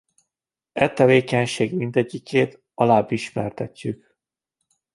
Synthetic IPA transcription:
ɛt̪ːɛveːkɛɲʃeːɡmind̪ɛɟːikʰeːt̪ | ɒlaːbːiʃmɛrt̪ɛcːyk

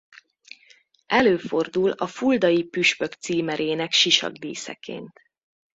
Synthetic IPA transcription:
ɛløːfo̞rd̪ulɒfuld̪ɒjipyʃpø̞kt̪siːmɛɾeːnɛkʃiʃɒ̰ɡd̪ḭːsɛ̰kḛːnt̪

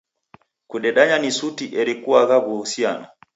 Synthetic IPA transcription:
kuɗɛɗaɲanisutiʔɛɾikuaɣaβuusiana

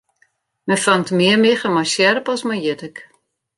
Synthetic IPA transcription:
mɛfaŋtmɪərmɪxəmajsjɛrpɔsmajjɪtək

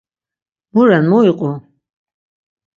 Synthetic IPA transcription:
muɾanmɔiqʼɔ

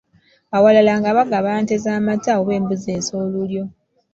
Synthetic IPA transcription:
awalalaŋɡaβaɡaβaːnte̞zaːmataoβe̞ːmbuze̞ːso̞ːluljo̞

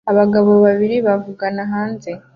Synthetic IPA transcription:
aβaɡaβo̞βaβiɾiβavuɡanaɦaːnze

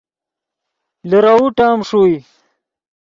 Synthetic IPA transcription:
ləɾauʈaːmʂui

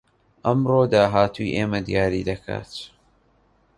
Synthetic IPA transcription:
ʔɐmroːd̪aːɦaːt̪ʰujʔeːmɐd̪ijaːɾiːd̪ɐkʰa̰ːt̪

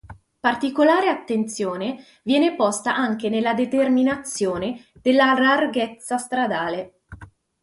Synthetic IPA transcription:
part̪ikolaːɾeat̪ːent̪sjoːne | vjɛːnepɔst̪aʔaŋk̟enelːad̪et̪erminat̪sjoːned̪̥elːalarɡet̪sːast̪ɾad̪aːle

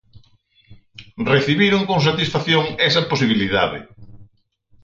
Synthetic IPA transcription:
reθiβiɾoŋkoŋsat̪isfaθjoŋɛs̬ɐposiβ̞iliða̰ðɪ̰

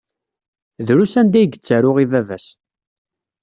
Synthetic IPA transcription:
ðɾusænd̪æjɡət͡sːæɾʊʁivævæs

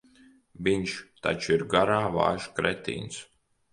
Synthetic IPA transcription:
vʲiɲʃt̪a̰t͡ʃuiɾɡaɾaːva̰ːʒ̥kɾɛt̪ḭːns

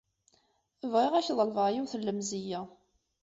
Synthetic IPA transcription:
əvʁeʁæçðˤəlvəjiwθəlːəmzijæ

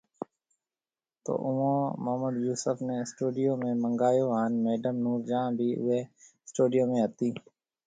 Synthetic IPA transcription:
t̪o̰ːʔʊʋõːməɦməd̪juːsəfneːsʈuːɖɪjoːmẽːməŋɡaːjoːaːnmeːɖəmnuːɾd͡ʒãːbʱiːʔʊ̰ʋeː | sʈuːɖɪjoːmẽːɦət̪iː

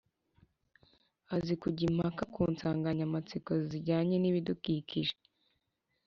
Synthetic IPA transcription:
azikuɟim̥hakakuːnt͡saːŋɡaɲamat͡sikoziɟaːɲeniβidukiciʒe

